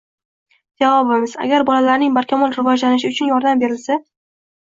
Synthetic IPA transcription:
d͡ʒavɒbɪmɪz̥a̰ɡʲaɾbɒlalaɾnɪŋbaɾkʲʰamɒlɾɪvɒd͡ʒlanɪʃ̬ɪʊt͡ʃʰʊnjɒɾd̪ambe̞ɾɪlsa

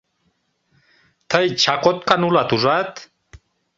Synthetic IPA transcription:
t̪əjt͡ʃakot̪kanulat̪uzat̪

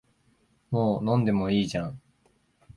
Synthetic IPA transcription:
moːnõ̞nd̪e̞mo̞iːʑãŋ

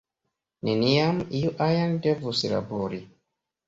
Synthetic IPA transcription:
neniamiuʔajandevusla̰boɾi

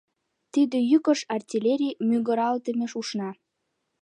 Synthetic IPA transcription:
t̪id̪ĕjykəʃɑrtʲilʲeɾʲimyɣə̆ɾɑlt̪əmeʃuʃnɑ

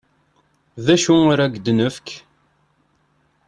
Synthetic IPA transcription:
ðæʃuʊɾæɡd̪nəfk

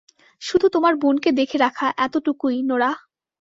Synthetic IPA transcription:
ʃud̪ʱut̪omaɾbunked̪ekʰeɾakʰaʔɛt̪oʈukujnoɾa

